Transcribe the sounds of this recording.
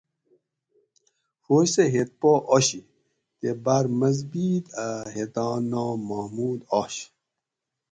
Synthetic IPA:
hoːɕseɦet̪̚poʔoɕi | t̪ebaɾmɐzbiːd̪aɦet̪ɑːnoːmahmuːd̪ɔɕ

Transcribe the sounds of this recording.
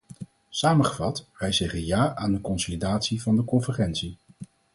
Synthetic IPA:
saːməχəvɑtʋɛjzɛχənjaːʔaːndəkɔnsolidaːtsivɑndəkɔnvəχɛntsi

